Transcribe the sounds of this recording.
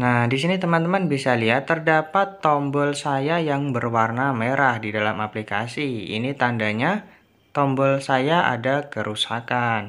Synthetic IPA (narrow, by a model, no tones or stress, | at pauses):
nahdisinit̪əmant̪əmanbisaliɦat̪ːərdapat̪ːɔmbɔlsajajaŋbərwarnameɾahdidalamaplikasiḭnit̪andaɲa | t̪ɔmbɔlsajaʔa̰dakəɾʔusakan